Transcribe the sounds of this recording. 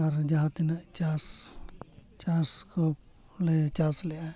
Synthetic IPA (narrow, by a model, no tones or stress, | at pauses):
ɐɾd͡ʒaɦãt̪inat͡ʃas | t͡ʃasko | let͡ʃaːslea